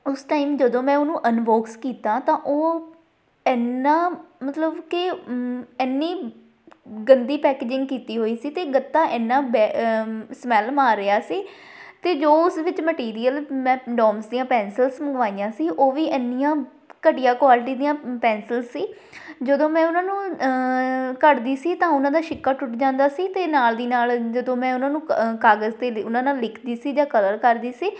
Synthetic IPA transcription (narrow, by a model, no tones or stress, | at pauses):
ʊsʈaːiːmd͡ʒəd̪õːmɛ̃ːʊnũːʔənʋoːkskiːt̪aːt̪ãːʔoː | ɛːnːaːmət̪ləbkɪ | ɛːnːiː | ɡənd̪iːpɛːkeːd͡ʒɪ̃ŋɡkiːt̪iːɦoːiːsiːt̪eːɡət̪ːãːʔɛːnːãːbɛ | smɛːlmaːɾːɪaːsiːt̪eːd͡ʒoːʊsʋɪt͡ʃməʈiːɾijəlmɛ̃ːɖɔːmsd̪ijãːpɛ̃ːnsəlsməɡʋaːijãːsiːʔoːʋiːʔɛnːɪjãː | kəʈɪjaːkʋaːlɪʈiːd̪ijãːpɛ̃ːnsəlsːiː | d͡ʒəd̪õːmɛ̃ːʊnãːnũː | kəɾd̪iːsiːt̪ãːʊnãːd̪aːʃɪkːaːʈʊʈd͡ʒãːnd̪aːsiːt̪eːnaːld̪iːnaːld͡ʒəd̪õːmɛ̃ːʊnãːnũːkaːɡəzt̪eːʊnãːnãːlːɪkʰd̪iːsiːd͡ʒaːkələɾkəɾd̪iːsiː